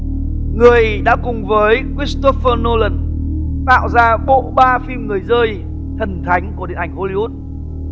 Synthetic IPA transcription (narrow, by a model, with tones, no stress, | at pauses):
ŋɨ˨˩əjɗa̰ː˧˥kʊ˨˩ŋ͡mvəː˨˦jkwi˦˥st̪o˦˥fəː˧no˧lə˨˩nt̪a̰ː˧˨wzaː˧ɓo̰˧˨ɓaː˧fi˧mŋɨ˨˩əjzəː˧j | t̪ʰə˨˩nt̪ʰa˨˦jŋ̟ku˨˩əɗi˨əʔa˧˩ŋ̟ho˧li˧hu˦˥t̚